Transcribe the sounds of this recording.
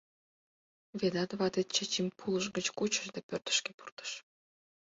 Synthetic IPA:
βed̪ɑt̪βɑd̪et̪̚t͡ɕet͡ɕimʲpʰuləʒɡət͡ɕkut͡ɕəʒd̪epørt̪ə̥ʃkepu̥rt̪ə̥ʃ

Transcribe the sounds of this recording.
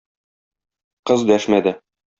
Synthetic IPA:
qɤzd̪æʃmæd̪ɘ

